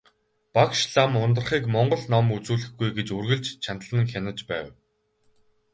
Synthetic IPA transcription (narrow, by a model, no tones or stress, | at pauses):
pakʃɮamʊnt̪̬ə̆rχiːkmɔɴɢɞ̆ɮnɔmut͡suːɮɘ̆xɡujɡet͡ɕurɣɘ̆ɮt͡ɕt͡ɕʰant̪əɮə̆ŋxʲanə̆t͡ɕpæːw